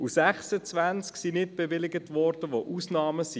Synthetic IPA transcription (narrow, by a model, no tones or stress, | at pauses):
usæχsət͡svʋænt͡sksinɪt̚b̥evɪlɪɡətʋɔɾdəʋoʔuːsnɑːməsi